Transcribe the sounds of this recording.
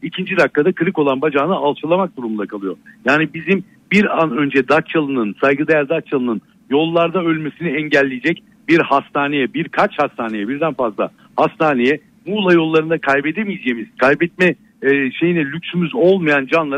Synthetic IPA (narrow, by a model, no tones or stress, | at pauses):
icʰind͡ʒid̪akːad̪akɯɾɯko̞lˠanbad͡ʒaːnɯalˠʃɯlˠamak̚d̪uɾumund̪akʰalˠɯjojaːnibizim | biɾanø̞nd͡ʒɛd̪at͡ʃt͡ʃːalˠɯnɯnsajɡɯd̪ejæɾd̪at͡ʃːalˠɯnɯn | jo̞lˠːaɾd̪aø̞lʲmesiniɛɲɟælʲːejed͡ʒɛc | b̥iɾhast̪ʰaːnejɛbiɾkʰat͡ʃhast̪ʰaːne̞jɛbiɾd̪ænfazlˠa̰ | hast̪ʰaːnejɛ | muːlˠajo̞lˠːaɾɯnd̪akʰajbed̪emizjemiz̥kʰajbɛt̪̚mɛ | ʃe̞jinɛlʲycsymyzo̞lˠmajand͡ʒanlˠa